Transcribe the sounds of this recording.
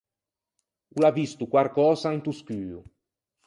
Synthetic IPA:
ulavist̪ukwaɾkɔːsant̪uskyːṵ

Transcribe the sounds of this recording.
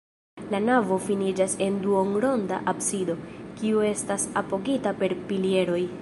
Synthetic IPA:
lanavo̞finid͡ʒase̞nduoŋɾo̞nda̰ʔapsido̞kiue̞stasapo̞ɡitape̞ɾpilie̞ɾo̞j

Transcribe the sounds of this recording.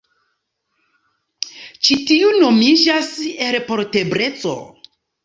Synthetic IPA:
t͡ʃitiuno̞mid͡ʒase̞ɾpo̞ɾte̞bɾe̞t͡so̰

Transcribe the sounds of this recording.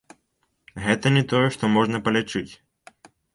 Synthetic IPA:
ɣɛt̪ɐnʲɛt̪ɔjɛʂt̪ɔmɔʐnɐpɐlʲɛt͡ʂɨt͡sʲ

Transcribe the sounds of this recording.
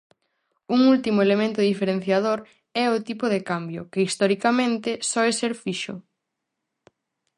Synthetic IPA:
uŋult̪imʊelemẽnt̪ʊðifeɾen̟θjað̞oɾ | ɛʊt̪ipʊðekambjʊ̰kɪist̪ɔɾikamẽnt̪ɪsɔeseɾfiʃʊ̰

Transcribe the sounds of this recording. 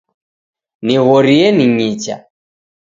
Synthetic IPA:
niɣɔɾiɛniɲit͡ʃa̰

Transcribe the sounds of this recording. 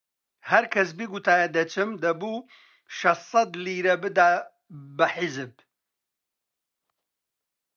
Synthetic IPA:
hɐɾkʰɐs̬biɡut̪ʰaːjɐd̪ɐt͡ʃʰɨmd̪ɐbu | ʃɐssˤɐd̪liːɾɐbɨd̪aː | ɐħɪzɨb̚

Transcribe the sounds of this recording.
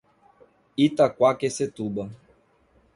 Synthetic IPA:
it̪akwakeset̪uɓa

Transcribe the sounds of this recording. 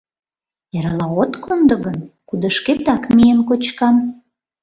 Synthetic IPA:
eɾɑlɑot̪kʰond̪ə̆ɣənkud̪ə̆ʃket̪ɑkmijenkot͡ɕkɑm

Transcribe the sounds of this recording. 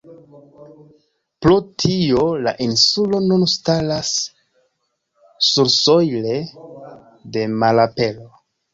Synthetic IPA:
plotʰiolaʔinsulo̞nunstalas | uɾsojle̞ | de̞malape̞lo̞

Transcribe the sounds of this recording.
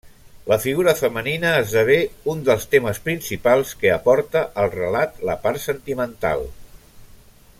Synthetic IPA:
ləfiɣuɾəfəməninəːzðəβeund̪əlˠst̪eməspɾinsipalˠskəəpɔɾt̪əʔəlˠrəlat̪lə̰paɾsənt̪imənt̪a̰lˠ

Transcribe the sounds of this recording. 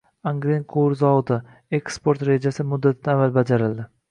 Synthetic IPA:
aŋɡɾenqʰoɾzɒvʊt̪ɪ | e̞kspo̞ɾt̪ɾe̞d͡ʒasɪmʊd̪ːat̪ʰɪd̪aːvalbad͡ʒaɾɪld̪ɪ

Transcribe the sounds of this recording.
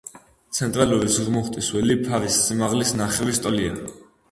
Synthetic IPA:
t̪sʰɛnt̪ʼɾaluɾisʁmɔχt̪ʼiswɛlipʰaɾisːimaʁlisnaχɛvist̪ʼɔlia̰

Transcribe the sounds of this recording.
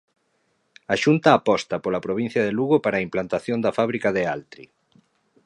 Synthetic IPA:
aʃunt̪ɐːpɔst̪ɐpolapɾoβ̞ĩn̟θjɐðeluɣopaɾaimplant̪aθjond̪ɐfaβ̞ɾikaðealt̪ɾḭ

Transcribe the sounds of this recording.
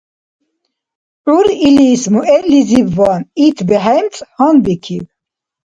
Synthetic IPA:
uɾilismuʔɛɾlizibvɔnit̪ʰbɛɦɛjmt͡sʼhɔnbikʰiv

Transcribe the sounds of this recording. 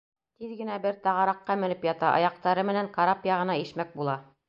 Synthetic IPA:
t̪iðɡɘ̆næbɘɾt̪ɑʁɑɾɑqːɑmɘ̆nɘpjɑt̪ɑʔɑ̰jɑq̚t̪ɑɾɤmɘ̆næŋkɑɾapjɑʁɤ̆nɑiʃmæk̚bulˠɑ

